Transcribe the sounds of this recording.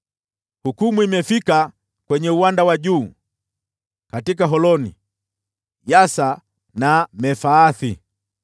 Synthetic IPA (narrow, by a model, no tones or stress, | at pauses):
hukumuimɛfika | kwɛɲɛuwandawaɟuː | katik̬aɦɔlɔnḭ | jasa | namɛfaːθi